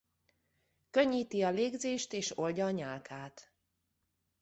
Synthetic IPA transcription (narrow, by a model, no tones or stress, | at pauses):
køɲːiːt̪iɒleːɡzeːʃt̪eːʃo̞lɟɒːɲaːlkʰaːt̪